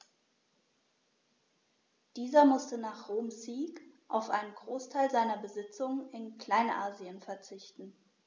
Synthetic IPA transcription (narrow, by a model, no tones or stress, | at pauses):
d̥iːzɐmʊstənaːχʁoːmziːkʔaʊfʔa̰ɪnənɡʁoːstʰaɪlzaɪnɐbəzɪt͡sʊŋənɪnkl̥aɪnʔa̰ːziənfɛɐt͡sɪçtn̩